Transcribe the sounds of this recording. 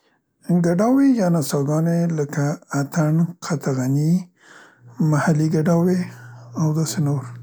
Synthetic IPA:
ɡaɖawejɑnasɑɡɑneləkaːt̪ʰaɳqʰat̪aɣani | mahaliɡaɖaweawd̪ɑsenoɾ

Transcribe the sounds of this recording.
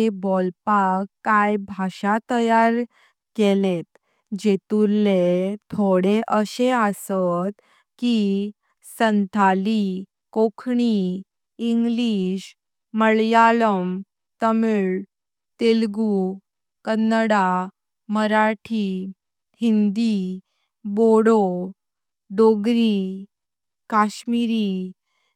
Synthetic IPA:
ebɔlpakːajbʱaɕat̪əjaɾ | kelet̪ | d͡ʑet̪ulet̪ʰoɽeʔəɕeəsət̪ | ki | sənt̪ʰali | kokʰɳi | iŋɡliɕ | məɭjaləm | t̪əmiɭ | t̪elɡu | kənːəɽa | məɾaʈʰi | hind̪i | boɽo | ɖoɡɾi | kaɕmiɾi

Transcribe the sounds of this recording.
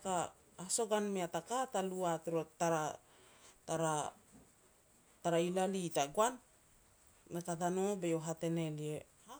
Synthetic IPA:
ka | haso̞ɡanmiatakataluatɾotaɾa | taɾa | taɾailalitaɡwanː | ekatanobeoɦate̞nelie | ha

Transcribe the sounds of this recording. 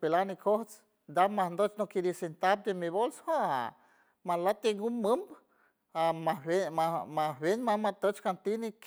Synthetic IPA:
pelanikʰoht͡s | d̪amahnd̪ot͡ʃnokid̪isent̪ab̚d̪emiβolsha | malat̪eŋɡumːəmb | amaeamabenmamat̪ət͡ʃkant̪inik

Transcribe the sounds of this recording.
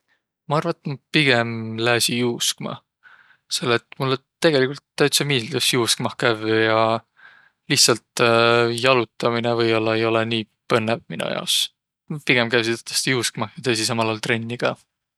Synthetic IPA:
mɑɑrvɑt̪ːˑmɑpiɡ̥e̞mlæːsijuːskmɑ̰ | se̞lːet̪ːˑmulːet̪ːe̞ɡ̥e̞likult̪ːæɥt̪sɑmiːld̪̥usjuːskmɑhkævjɑ | liht̪sɑlt̪jɑlut̪ːˑɑminevɤjolːɑejo̞leniː | pɤnːevminṵjɑ̰os | piɡ̥e̞mkævsit̪t̪ːˑe̥st̪ijuːskmɑhjɑt̪eːsis̬ɑmɑlɑːlt̪re̞nʲːiɡ̥ɑ

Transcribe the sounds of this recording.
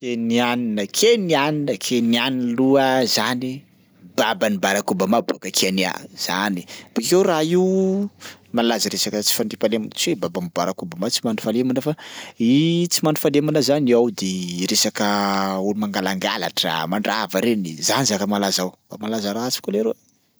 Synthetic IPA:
kenianinəkʰenianinəkʰenianiluəzani | b̥abanibaɾakubamabuakəkʰiania̰z̥a̰nib̥ukewraiw | malazəɾesakət͡si̥faɳɖ͡ʐipalemunt͡swebabanibaɾakubamat͡simanufalemunəfait͡simanufalemanəzaniawd̪eɾesakəulumaŋɡalaŋɡa̰la̰ʈ͡ʂa̰maɳɖ͡ʐavaɾenizanizakəmalazawbamalazaɾat͡si̥koleɾo

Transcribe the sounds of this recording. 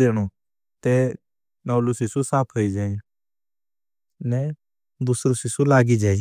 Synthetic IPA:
eːɽ̃o | t̪ɛ | nɔːlusɪsusaːpʰɦoːid͡ʒãː | nɛ | d̪ʊsɾosɪsulaːɡid͡ʒaː

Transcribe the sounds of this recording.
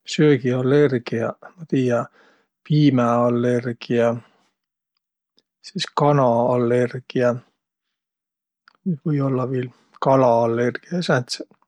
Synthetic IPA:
søːɡiɑlːerɡ̥iɑmɑt̪iːjɑ | piːmæɑlːerɡ̥iɑ | siskɑnɑɑlːe̞rɡ̥iɑ | ni̥vɤjo̞lːɑʋeːl | kɑlɑɑlːerɡ̥iɑsæt̪se

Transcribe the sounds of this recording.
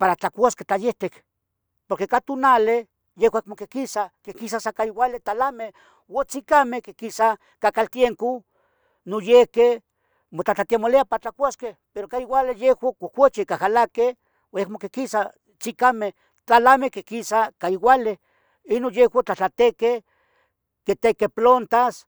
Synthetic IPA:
paɾat͡ɬakʷaske̥t͡ɬ̪ajeht̪ek | poɾkekat̪unale | jehwakmokekisakekisasakaiwalet̪alame | wot͡sikamehkekisa | kakalt̪jemko | nojehke | mot͡ɬat͡ɬat̪iamoleapaɾat͡ɬakʷaskepeɾokaiwʷalejehwakokʷot͡ʃikahalake | ekmokekisa | t͡sikameh | t̪alamekekisakaiwale | inonjewat͡ɬat͡ɬat̪eke | ket̪ekeplont̪as

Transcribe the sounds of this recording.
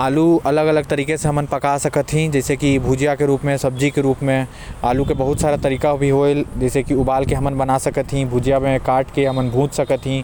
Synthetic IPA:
aːluɐləɡələɡ̚t̪əɾiːkeseɦɐmənpəkasəkət̪ɦĩd͡ʒɛːsekibʱuːd͡ʒijakeɾuːpmẽsəb̚d͡ʒikeɾuːpmẽ | aːlukebəɦʊt̪saːɾat̪əɾiːkabʱiɦoeld͡ʒɛːsekiʊbaːlkeɦɐmənbənasəkət̪ɦĩbʱuːd͡ʒjamẽkaːɾʈkeɦɐmənbʱũːt͡ʃsəkət̪ɦĩ

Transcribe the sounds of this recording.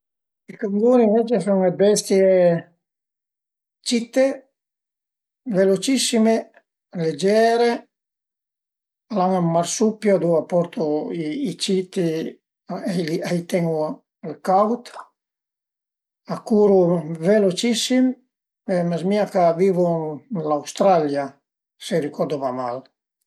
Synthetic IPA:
ikaŋɡuːnivɛt͡ʃesuŋebɛst̪je | t͡ʃit̪ːe | velot͡ʃisːime | led͡ʒɛːɾe | alaŋamːaɾsupːjoad̪uapːɔɾt̪uiːt͡ʃit̪i | aliajt̪ɛŋu | alkawt̪ | akuːɾuvelot͡ʃisːim | emazmiːakaviːvulawst̪ɾalja | serikɔɾd̪ovama̰l

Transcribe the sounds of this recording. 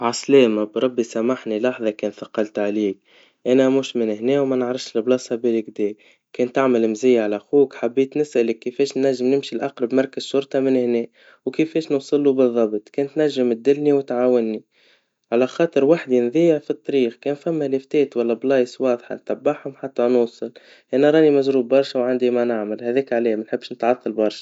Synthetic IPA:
ʕɑslɛːmabɾˤɑbːisæmaħnilɑħðˤɑkɛːnθɑqɑlt̪ʕaliːk̚ | ʔænæmuːʃmɪnhnɛːwmænəʕɾɪfʃɪlblɑːsˤɑbiːlɪkd̪ɛː | kɛːnt̪ːaʕmɪlɪmzɪjːaʕalæxuːkħabːiːt̪nɪsʔælɪkːəfɛːʃnːæʒːɪmnɪmʃilʔɑqɾˤɑbmɑɾˤkəzʃʊɾˤt̪ˤɑmɪnhnɛː | wkɪfeːʃnuːsˤɨlːubɨðˤːɑbt̪ˤkɛːnt̪næʒːɪmt̪̚d̪ɪlniwɪt̪ʕaːwɪnːi | ʕalaxɑːt̪ˤɨɾwaħd̪inðiːjɪʕfit̪ˤːɑɾiːxkɛːnfæmːælɪft̪eːt̪walːablɑːjswɑːðˤħa̰nt̪abːaħhʊmħat̪ːænuːsˤɨl | ʔænæɾˤɑːnimaʒɾuːbːɑɾˤʃawʕand̪imanaʕmalhæðeːkʕaleːmanħɪbːʃnɪt̪ʕɑt̪ˤːɑlbɑɾˤʃḁ

